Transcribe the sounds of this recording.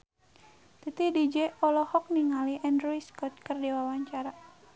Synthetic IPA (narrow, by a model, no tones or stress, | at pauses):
t̪it̪idid͡ʒɛɔlɔhɔk̚niŋaliʔɛndɾuiskɔt̪̚kərdewawaɲt͡ʃaɾa